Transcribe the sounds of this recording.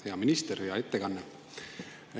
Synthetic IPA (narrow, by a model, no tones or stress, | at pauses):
hjɑminist̪eɾjɑe̞t̪ːekɑnːe